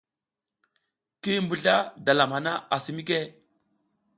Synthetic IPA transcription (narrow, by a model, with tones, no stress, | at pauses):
ki˦mbu˨ɮa˦da˨la˨mha˨na˦a˨si˨mi˦ke˦˨